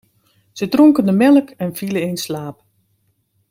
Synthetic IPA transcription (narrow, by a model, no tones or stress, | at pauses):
sətroŋkəndəmɛlˠəkɛnfiləenslaːp